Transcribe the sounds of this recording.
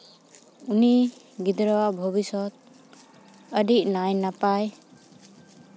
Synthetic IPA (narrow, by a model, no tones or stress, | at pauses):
uni | ɡid̪ɾɔwabʱɔbisɔt̪̚ | əɖiʔ̚najnapaj